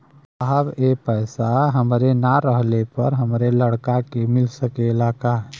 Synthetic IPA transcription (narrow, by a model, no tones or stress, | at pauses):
əɦəbepəɪsaɦəmɾenaɾəɦlepəɾɦəmɾeləɽkakemɪlsəkeɪlaːkaɦɛ